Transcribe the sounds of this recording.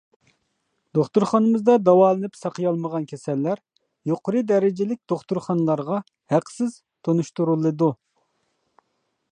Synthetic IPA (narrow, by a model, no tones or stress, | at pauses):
d̪oχt̪uɾχɑnɨmɨzd̪ɑd̪ɑwɑːlˠɨnɨpsɑqʰəjɑlˠməʁɑnkʲʰɛsɛlːæɾ | joqəɾɨd̪ɛɾɪd͡ʒɪlɪk̚ʲd̪̥oχt̪uɾχɑnlˠɑɾʁɑ | hæqsɪz̥ | t̪ʰonuʃt̪uɾulˠːɨd̪u